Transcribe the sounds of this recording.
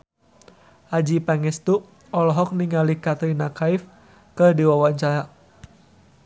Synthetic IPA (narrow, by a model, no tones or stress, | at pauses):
ʔad͡ʒipaŋɛst̪u | ɔlɔɦɔk̚niŋalikat̪ɾinakaif | kədiwawaɲt͡ʃaɾa